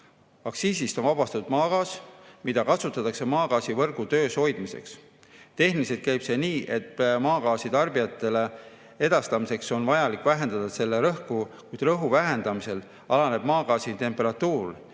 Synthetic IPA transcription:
ɑksiːsist̪o̞nvɑbɑst̪ɑt̪ud̪̥mɑːɡɑːsmid̪̥ɑkɑt̪sut̪ːˑɑt̪ːˑɑkse̞mɑːkɑːsivɤrɡut̪ø̞ːsho̞jd̪̥mise̞̰ks | t̪e̞ɦniliset̪̚kæjb̥se̞ːniːʔe̞t̪mɑːkɑːsit̪ɑrbiɑt̪ːˑe̞le̞ | e̞d̪̥ɑst̪ɑmise̞kso̞nvɑjɑlikːˑvæɦe̞nd̪ɑd̪̥ɑse̞lːeɾɤhkukujd̪rɤɦuvæɦe̞nd̪ɑmise̞l | ʔɑlɑne̞b̥mɑːɡɑːsit̪e̞mpeɾɑt̪ːuːl

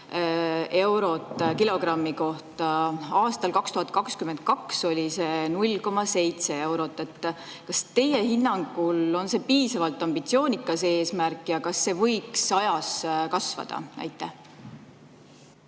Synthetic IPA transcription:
e̞wɾo̞t̪ːˑkilo̞krɑmːiko̞ht̪ɑɑːst̪ɑlkɑkst̪uhɑt̪̚ːˑkɑkskymend̪̚kɑkso̞lʲise̞nulʲko̞mɑse̞jt̪se̞e̞wɾo̞t̪ːˑe̞t̪ːˑ | kɑst̪e̞jehinːɑŋɡ̥ulo̞nse̞piːsɑvɑlt̪ːˑɑmb̥it̪sio̞ːnʲikːˑɑse̞ːsmærkːˑjɑkɑsːe̞vɤ̞jksɑjɑskɑsvɑ̰d̪̥ɑ̰næ̰jt̪ːˑæh

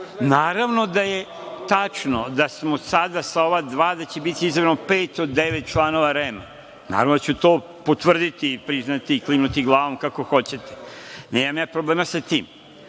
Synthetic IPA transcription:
naːɾaʋno̞d̪aje | t̪at͡ʂnod̪asmosad̪asaoʋad̪ʋaːd̪at͡ɕebit̪iizaɾenopeːt̪od̪ːeʋet̪̚t͡ʃlˠaːno̞ʋaɾema | na̰ːɾaʋnod̪at͡ɕut̪oː | pot̪ʋr̩d̪it̪ipɾiznat̪iːklimnut̪iɡlˠaːʋo̞mkakoxot͡ɕet̪e̥neːmamjaːpɾobleːmasat̪iːm

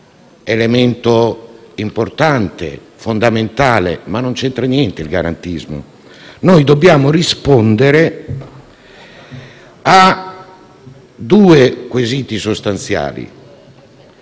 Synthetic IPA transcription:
element̪oimport̪ant̪ḛ | fond̪ament̪aːlḛmanːont͡ʃɛnt̪ɾanjɛnt̪eilɡa̰ɾa̰nt̪izmo̰ | nojd̪obːjaːmorispɔnd̪eɾe | a | d̪uːekwezit̪isost̪ant̪sja̰ːlḭ

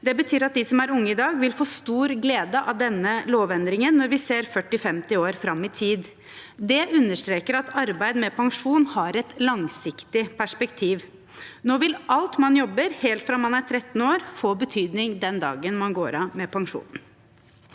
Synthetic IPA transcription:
d̪ɛbət̪ʰyːɾɑt̪̚d̪ɪsɔmæɾʊŋːəɪd̪ɑːɡʋɪlfoːst̪uːɾɡleːd̪əʔɑd̪ɛnːəloːʋɛnd̪ɾɪŋənːɔɾʋɪseːɾfœʈːɪfɛmt̪ɪoːɾfɾɑmːɪt̪ʰiːd̪ | d̪ɛʔʉnːəʂt̪ɾeːkəɾɑt̪ʰɑɾbæɪd̪əmɛpʰɑŋʂuːnhɑɾɛt̪lɑŋsɪkt̪ɪpʰæʂpɛkt̪ʰiːʋ | noːʋɪlɑlt̪mɑnjɔbːəɾheːlt̪fɾɑmɑnæɾt̪ʰɾɛt̪ːn̩oːɾfoːbət̪ʰyːd̪nɪŋd̪ɛnd̪ɑ̰ːɡənmɑnɡoːɾɑmɛpʰɑŋʂṵːn

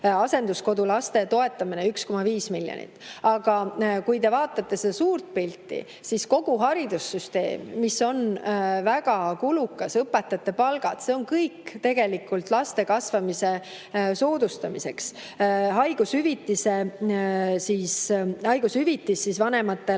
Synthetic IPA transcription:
ɑse̞nd̪usko̞d̪ulɑst̪e̞t̪o̞e̞t̪ːˑɑmineyksko̞mɑviːsmiljo̰nḭt̪ːˑɑɡ̥ɑkujt̪e̞vɑːt̪ˑːɑt̪ːe̞sed̪ɑsuːrt̪̚pilʲt̪ːˑḭ | sisko̞ɡ̥uɦɑɾid̪̥usːyst̪e̞̰ːmːiso̞nvæɡ̥ɑkulukːˑɑsɤpːe̞t̪ːˑɑt̪ːˑe̞pɑlɡ̥ɑd̪̥se̞o̞nkɤjkt̪e̞ɡ̥e̞likːˑult̪ˑlɑst̪e̞kɑsvɑmise̞ | so̞ːd̪̥ust̪ɑmise̞ks | ɦɑjɡ̥ushyvit̪ːˑise̞ | siːshɑjɡ̥ushyvit̪ːˑisːisvɑne̞mɑt̪ːˑe̞

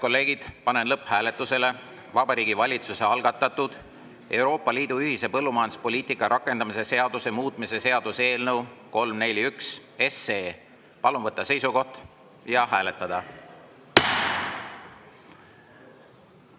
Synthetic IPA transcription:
ko̞lːe̞ːɡ̥id̪̥pɑne̞nlɤpːhæːle̞t̪ːˑuse̞le̞ | vɑbɑɾiːɡ̥ivɑlʲit̪suse̞ɑlɡ̥ɑt̪ːˑɑt̪ud̪̥ | e̞wɾo̞ːpˑːɑliːd̪̥uyhise̞pɤlːumɑjɑnd̪u̥spo̞lʲiːt̪ikːˑɑɾʔɑkːˑe̞nd̪̥ɑmise̞se̞ɑd̪use̞muːt̪ˑmise̞se̞ɑd̪use̞ːlnɤwko̞lmne̞lʲiyks | e̞seː | pɑlunvɤt̪ːɑse̞jsuko̞ht̪ | jɑhæːle̞t̪ːˑɑd̪̥ɑ

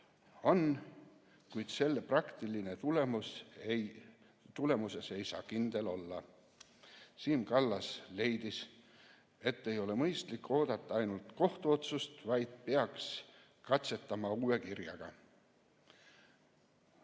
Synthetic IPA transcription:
o̞n | kujd̪̥se̞lːeprɑkt̪iline̞t̪ulemusej | t̪ule̞muse̞se̞jsɑ̰ːkind̪̥e̞lo̞lːɑ | siːmkɑlːɑsle̞jd̪̥is | e̞t̪ːe̞jo̞le̞mɤjst̪likˑːo̞ːd̪̥ɑt̪ːˑɑɑjnult̪ko̞ht̪uo̞t̪sust̪vɑjd̪̥̚peɑks | kɑt̪se̞t̪ːˑɑmɑuːe̞kirjɑ̰ɡ̥ɑ̰

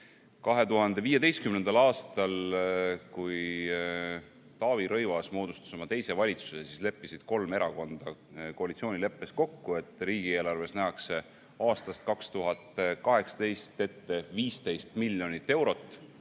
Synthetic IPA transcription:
kɑɦe̞t̪uɦɑnd̪̥e̞viːjed̪e̞jst̪̚kymnend̪̥ɑlɑːst̪ɑl | kuj | t̪ɑːviɾɤjvɑsmo̞ːd̪ust̪ɑ̥so̞mɑt̪e̞jse̞vɑlʲit̪susesisle̞pːisid̪̥ko̞lme̞ɾɑko̞nd̪̥ɑ | ko̞ɑlit̪sio̞ːnʲile̞pːe̞sko̞kːue̞t̪ːˑɾiːɡie̞ːlɑrve̞snæɑkse̞ | ɑːst̪ɑst̪̚kɑkst̪uɦɑt̪kɑɦe̞ksɑ̥t̪e̞jst̪e̞t̪ːe̞viːst̪e̞jst̪milʲːjo̞nit̪ːe̞wɾo̞t̪ːˑ

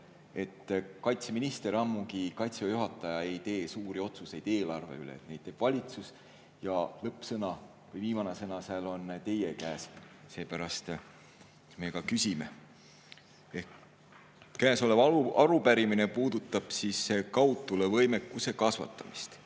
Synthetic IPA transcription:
e̞t̪ːkɑjt̪se̞minist̪e̞ɾɑmːuɡikɑjt̪sɑjuɦɑt̪ːˑɑjɑe̞jt̪e̞ːsuːɾio̞t̪suse̞jd̪̥e̞ːlɑrve̞̰ylḛːt̪̚nejd̥̪t̪ːeːb̥vɑlʲit̪sus | jɑlɤpːsɤnɑ | vɤjviːmɑnesɤnɑseːlo̞nt̪e̞jekæːsse̞ːpæɾɑst̪ | meːkɑkysʲime̞̰ | e | kæːso̞levɑuɑɾupæɾimine̞puːd̪̥ut̪ːˑɑb̥sisːekɑwt̪ːˑulevɤjme̞kːˑuse̞kɑsvɑ̰t̪ːˑɑmist̪

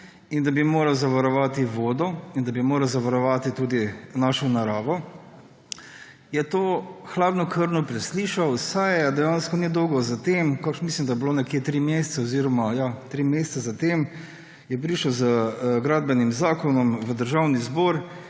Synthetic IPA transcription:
ind̪abimoːɾawzaʋaɾɔʋaːt̪iʋoːd̪ɔind̪ɐbimoːɾawzaʋaɾɔʋat̪it̪uːd̪inaʃɔnaɾaːʋɔ | jɛt̪oːxlaːd̪nɔkʰəɾnɔpɾɛsliːʃawsajd̪ɛjanskɔnid̪ɔʊɡɔzat̪emkakʃmislimd̪ajɛblonɛkjeːt̪ɾimjest̪saɔziɾɔmajat̪ɾimjest̪sazat̪em | jɛpɾiːʃəwzəɡɾaːd̪̚bɛnimzaːkɔnɔmʋəd̪əɾʒawnizbɔːɾ

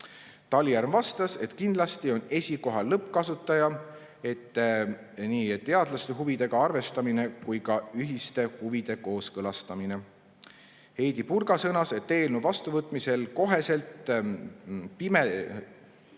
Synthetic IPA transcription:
t̪ɑlʲiærmvɑst̪ɑse̞t̪ːkind̪̥lɑst̪io̞ne̞sʲiko̞ɦɑlːɤpːˑkɑsut̪ːˑɑjɑ | e̞t̪ˑː | niːt̪ːe̞ɑd̪̥lɑst̪e̞ɦuvid̪̥e̞ɡ̥ɑɑrve̞st̪ɑmine̞kujkɑyɦist̪e̞huvid̪̥e̞ko̞ːskɤlɑst̪ɑmine̞ | he̞jd̪̥ipurɡɑsɤnɑse̞t̪ːe̞ːlnuvɑst̪uvɤt̪ːˑmise̞lko̞ɦe̞se̞lt̪ | pime

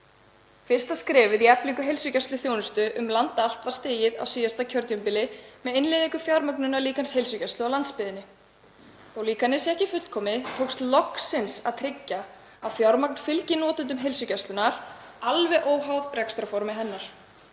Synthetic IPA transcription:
fɪr̥st̪askɾɛːvɪðiɛpliŋkʏɦejlsʏcast̪ʏθjoːwnʏst̪ʏʔʏmlant̪aal̥t̪vaɾ̥st̪eːjɪða̰wsiːjast̪acʰœɾt̪jʏmpɪlɪmɛðenlɪːðiŋkʏfjaɾmœknʏnaliːkanshejlsʏcɛst̪lʏawlant̪spɪðɪnːɪ | θowliːkanːɪsɛɛhcɪfʏl̥t̪̚kʰɔːmɪt̪ʰoːwkst̪lɔksɪnsaðt̪ʰɾɪcːa | awfjaɾmak̚nfɪlcɪnɔːt̪ʏnt̪ʏmɦejlsʏcast̪lʏnaɾ̥ | alvɛʔoːwɦawðrɛkst̪ɾafɔɾmɪɦɛnːaɾ̥

